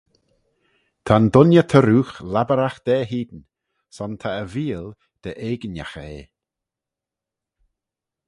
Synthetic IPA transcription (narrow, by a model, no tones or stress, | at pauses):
t̪ʰand̪ʊnjət̪ʰəɾuːxlabəɾaxd̪̥ɛːɦiːd̪ən | sɔnt̪ʰaəviːəl | d̪̥əʔeːɡənja̰xḛː